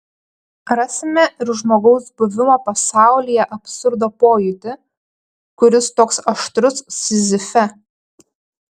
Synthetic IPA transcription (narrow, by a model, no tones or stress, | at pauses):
ɾɑːsʲɪmʲɛʔɪɾʒmoːɡɒʊsbʊʋʲɪmoːpɐsɑˑʊlʲiːjɛʔɐpʲsʊɾd̪oːpoːjʊt̪ʲɪ | kʊɾʲɪst̪oːksɐʃt̪ɾʊsːʲɪzʲɪfʲɛ